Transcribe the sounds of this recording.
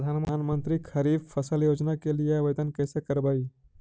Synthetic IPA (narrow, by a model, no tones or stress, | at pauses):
d̪ʱanmanmənt̪ɾikʰəɾibpʰəsəljod͡ʒnakelijeʋəjd̪ənkɛsekəɾbəj